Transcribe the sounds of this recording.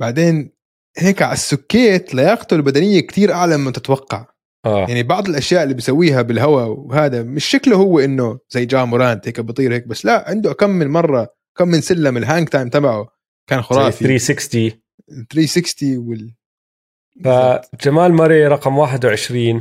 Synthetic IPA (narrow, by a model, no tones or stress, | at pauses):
baʕd̪eːn | heːkʕaasːʊkːeːt̪lɑjɑːqt̪ʊlbad̪anɪjːakt̪iːɾʔaʕlamːɪt̪ɪt̪wɑqːɑ̰ʕ | ʔaːaʕnibɑʕd̪ˤɪlʔaʃjaːʔɪlːiːbijsawːiːɦabɪlɦawawhaːd̪amɪʃːaklhʊwːʔɪnːʊzajːd͡ʒaːmʊɾɑːnt̪heːkabɑt̪ˤiːɾheːk̚basːlaʔʕɪnd̪uʔakamːɪnmɑrˤːɑʔakamːɪnsɪlːamɪlɦaŋɡt̪ajmt̪abaʕu | kaːnxʊɾˤɑːfiɾiːsɪkst̪i | θɾiːsɪkst̪iwɪl | fad͡ʒamaːlmɑɾˤiɾˤɑqmwaːħɪd̪wɪʕɪʃɾiːn